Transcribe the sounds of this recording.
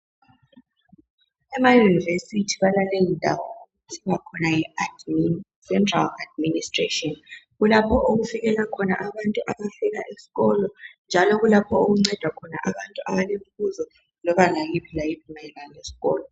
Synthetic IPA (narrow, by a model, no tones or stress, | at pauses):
ɛmajunivesitʰiβalalejindʱa̰wɔo | usiŋakʰɔnajɛad | sɛntʰʼraladministʼretʼiɔnɣulapʰɔʔoɣufiɣɛlakʰɔnaʔaβantʼuʔaβafɛla̰ʔesi̥ɣɔlɔnd͡ʒʱalɔɣulapʰɔoɣuŋ͡ǀɛd̥ʱwakʰɔna̰ʔaβantʼuʔaβalem̩fuzɔ | lɔβalajipʰilajipʰumaɛlalesi̥ɣɔ̰ːlɔ